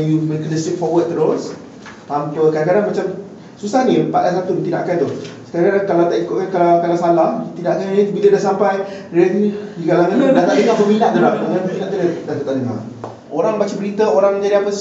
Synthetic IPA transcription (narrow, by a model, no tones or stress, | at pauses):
juməɾikələsɪk̚fɔwət̪̚t̪ːəɾos | t̪ampəkadakadaŋmat͡ʃam | susahnĩpadasat̪unit̪ida̰ʔakant̪ʊhsə̥kaaaŋkalawt̪aʔikʊʔ̚kankalakalasalaht̪idaʔakannibilədasampajɾat̪idiɡalaŋandat̪aʔdəŋahbəminaʔd̪əlahdaŋanbəminaʔt̪udadat̪at̪aʔdəŋa̰ | oɾaŋbat͡ʃabəɾit̪aoɾaŋməɲd͡ʒadiapəs